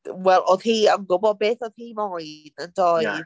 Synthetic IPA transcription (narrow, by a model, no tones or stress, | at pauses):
wɛlˠoð̥hiːamɡʊbɔbeːθɔð̥hiːmɔjnəndɔj